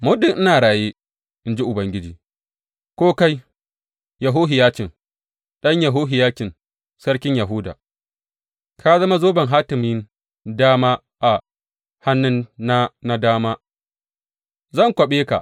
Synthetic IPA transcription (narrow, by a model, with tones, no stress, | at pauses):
mʊ˦dɪ˨ŋʔɪ˦naː˨ɽaː˨jeː˦ | ʔɪ˦nd͡ʒi˦ʔʊ˨bɐ˦ŋɡʲɪ˦d͡ʒiː˨ | kʷoː˦ka˦j | jɐ˨ɦoː˦ɦɪ˨jaː˦t͡ʃɪ˨ŋ | ɗɐ˦ɲjɐ˨ɦoː˦ɦɪ˨jaː˦kʲɪ˨n | sɐ˦ɽkʲɪ˦ɲjɐ˨ɦʊ˦da̰ː˨ | kʰa˦zɐ˦ma˦zoː˦bɐ˨ŋɦaː˦tɪ˨mɪ˦n | daː˦maː˦ | ʔa˨ | ha˦nːʊ˦nːa˦na˦daː˦maː˦ | zɐ˦˨ŋkʷɐ˨ɓeː˦ka̰˨ʔ